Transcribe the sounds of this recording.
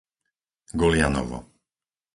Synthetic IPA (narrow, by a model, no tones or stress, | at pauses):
ɡɔljanɔ̰vɔ̰